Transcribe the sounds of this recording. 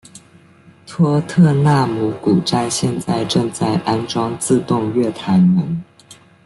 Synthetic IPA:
t̪ʰwɔ˥t̪ʰɤ˥˧na˥˩mu˧˥ku˨˩ʈ͡ʂa˥˧ɪɕjɛ˥˧nt͡sa˥˧ɪʈ͡ʂɤ˥˧ŋt͡sa˥˩ɪʔa˥nʈ͡ʂwɑ˥ŋt͡sɹ̩˥˧t̪ʊ˥˧ŋɥɛ˥˩t̪ʰa˧˥ɪmə˧˥n

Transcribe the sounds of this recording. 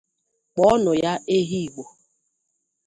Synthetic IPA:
k͡pɔ˦ɔ˦nʊ˨ja˦e˦ɦi˦i˨ɡ͡bo˨

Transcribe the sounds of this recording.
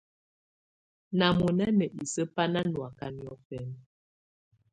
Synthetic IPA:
na˨mo˨na˦nə˨ʔi˨sə˦pa˦na˦nwa˨ka˦njɔ˦fɛ˦n

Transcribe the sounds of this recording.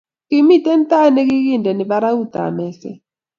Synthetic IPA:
ki˨mi˦˨tʼɛ˦ntʼa˦nɛ˦k̬i˦k̬i˦˨ndʱɛ˨ni˨ɓa˦ɾa˦u˦˨d̪̥ʱa̰˨mɛː˦sɛ̰˦

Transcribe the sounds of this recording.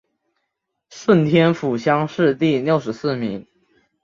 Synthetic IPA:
ʂə˥˩nt̪ʰjɛ˥nfu˨˩ɕjɑ˥ŋʂɻ̩˥˧t̪i˥˧ljo˥˩ʊʂɻ̩˧˥sɹ̩˥˩mi˧˥ŋ

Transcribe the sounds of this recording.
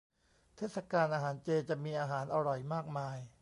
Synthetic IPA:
t̪ʰeː˥˩t̚sa˧kaː˧nʔaː˧ɦaː˩˦nt͡ɕeː˧t͡ɕa˨˩ʔmiː˧ʔaː˧ɦaː˩˦nʔa˧ɾɔ˨˩jmaː˥˩k̚maː˧j

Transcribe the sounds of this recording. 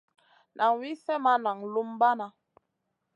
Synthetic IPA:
nʔa˨ŋwi˦fɛ˦ma˦na˨ŋlu˦mba˦na˦

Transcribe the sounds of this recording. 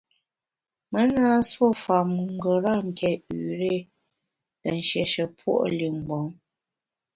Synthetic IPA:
mə˦na˦swo˦fa˨mŋ̩˦˨ɡə˨ɾa˦˨ŋ̩˨kʰɛ˨ʉ˨ɾe˦˨ | tə˨n̩˨ʃjɛ˨ʃə˨pʰwo̰˦ʔli˨ŋ̩˨ɡ͡bɔ˨˦ŋ

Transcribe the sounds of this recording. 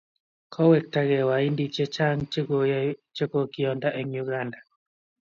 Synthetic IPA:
kʰɔ˦wɛ˨k̚ta˦ɣɛ˨wa˨i˦ndi˨t͡ʃe˦t͡ʃa˦ŋt͡ʃot͡ʃe˦ko˦kɪ˨ɔ˨nda˦ʔe˨ŋu˦ɡa˦nda˨

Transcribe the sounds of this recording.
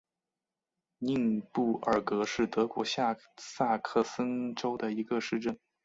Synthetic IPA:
ni˥˧ŋpu˥˩ə˞˨˩kɤ˧˥ʂɻ̩˥˩t̪ɤ˧˥kwɔ˧˥ɕa˥˧ | sa˥˧kʰɤ˥˩sə˥ŋʈ͡ʂo˥ʊd̪ə˨i˧˥ɡə˧ʂɻ̩˥˧ʈ͡ʂə˥˩n

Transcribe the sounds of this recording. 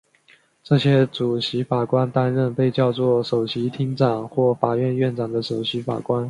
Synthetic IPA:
ʈ͡ʂɤ˥˩ɕjɛ˥t͡su˨˩ɕi˧˥fa˨˩kwa˥nt̪a˥nɻə˥˧npe˥˧ɪt͡ɕjɑ˥˧ʊt͡swɔ˥˩ʂo˨˩ʊɕi˧˥t̪ʰi˥ŋʈ͡ʂɑ˨˩ŋxwɔ˥˩fa˨˩ɥɛ˥˧nɥɛ˥˩nʈ͡ʂɑ˨˩ŋd̪ə˦ʂo˨˩ʊɕi˧˥fa̰˨˩kwa˥n

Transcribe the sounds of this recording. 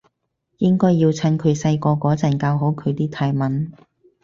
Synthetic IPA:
jɪ˥ŋkɔː˥jːiː˧wt͡sʰɐ˥nkʰɵ˨˧ɥsɐ˧jkɔː˧kɔː˨˥t͡sɐ˨˩nkaː˧wɦo˨˥wkʰɵ˨˧ɥt̪iː˥t̪ʰaː˧jmɐ˨˥n

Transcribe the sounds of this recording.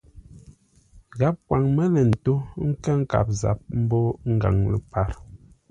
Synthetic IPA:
ɣa˨˦p̚kwa˨ŋmə˦lɛ˨n̩˨to˦ŋ̩˦kə˦ŋ̩˦ka̰˨p̚za̰˨p̚m̩˦bɔ˦ŋ̩˦ɡa̰˨ŋlə˨pa˦˨ɾ

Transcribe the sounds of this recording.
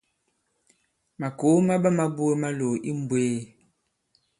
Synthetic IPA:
ma˨ko˨˦ma˦bə˦ma˦bu˦e˦ma˦lo˨i˦m̩˨bweː˦

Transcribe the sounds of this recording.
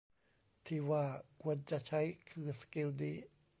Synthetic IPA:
t̪ʰiː˧˩waː˧˩ku˧˩˧ənt͡ɕa˧˨t͡ɕʰa˦˥jkʰɯː˧˩ske˧˥˨wniː˧˩

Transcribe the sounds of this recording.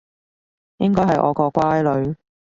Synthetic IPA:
jɪ˥ŋkɔː˥ɦɐ˨jʔɔ̰ː˨˧kɔː˧kwaː˥jlɵ˨˧ɥ

